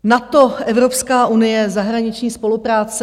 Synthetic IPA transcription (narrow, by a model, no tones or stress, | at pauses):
nat̪o̞ʔɛvɾo̞pskaːʔunɪjɛzaɦɾaɲɪt͡ʃɲiːspo̞lupɾaːt͡sɛ